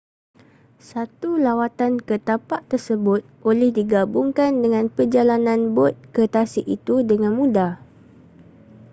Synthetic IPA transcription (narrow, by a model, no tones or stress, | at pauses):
sat̪ulawat̪ankət̪apaʔt̪ərsəbʊt̪̚olɛhdiɡabuŋkandəŋãnpərd͡ʒalanãnbɔt̪̚kət̪asɪʔit̪udəŋãnmũda